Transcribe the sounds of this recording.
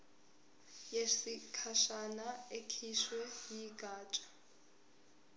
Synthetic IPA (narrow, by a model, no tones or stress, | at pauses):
jesikʰaʃanaekʰiʃwɛjiɡʱaːt͡ʃʼḁ